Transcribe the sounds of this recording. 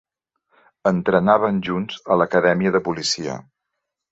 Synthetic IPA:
ənt̪ɾənaβənʒunzələkəðɛmiəðəpulisiə̰

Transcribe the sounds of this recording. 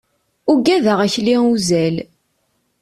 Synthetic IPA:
uɡæðəʁæçliuzæl

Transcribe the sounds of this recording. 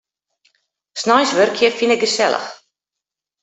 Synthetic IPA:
snajsʋørkʰjəfinɛk̚ɡəsɛlˠə̰x

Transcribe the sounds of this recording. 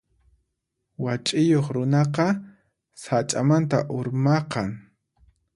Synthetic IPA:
wat͡ʃʼɪjoχɾʊnɑqɑ | sat͡ʃʼamant̪aʔʊɾmɑqɑŋ

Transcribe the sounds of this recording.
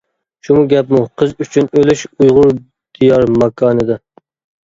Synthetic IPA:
ʃumuɡʲɛpmuqʰəzyt͡ʃʰynølyʃujʁʊɾ | d̪̥ijɑɾmɑkʰɑːnɨd̪ɨ

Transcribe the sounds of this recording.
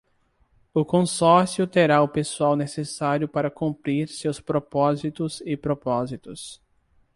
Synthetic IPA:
ʊkõsɔɾsjʊt̪eɾaʊpesuawnesesaɾjʊpaɾɐkũmpɾiɾsewspɾopɔzit̪ʊzɪpɾopɔzit̪ʊs

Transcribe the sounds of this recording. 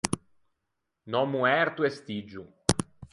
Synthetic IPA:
nɔmuɛɾt̪uest̪id͡ʒu

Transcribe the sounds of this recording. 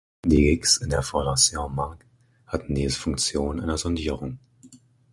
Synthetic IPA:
diːɡɪksɪndeːɐfɔɐdɐseomaɐk | hatn̩diːzəfʊŋkt͡sjoːnʔa̰ɪnɐzɔndiːʁ̞ʊŋ

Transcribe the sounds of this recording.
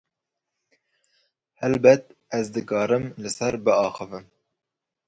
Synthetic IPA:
hɛlbɛt̪ɛzd̪ɨkɑːɾɨmlɨsɛɾbɨɑːxɨvɨm

